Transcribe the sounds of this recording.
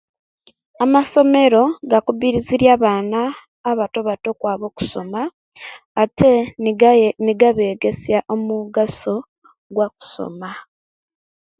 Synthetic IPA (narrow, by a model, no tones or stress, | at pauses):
amaso̞me̞ɾo̞ɡakuβiɾiziɾjaːβaːnaː | βato̞βato̞kwaːβo̞ku̥so̞̰maː | tʰe̞ | niɡaβeːɡe̞sjaʔomuɡaso̞ | ɡwak̚u̥so̞̰ma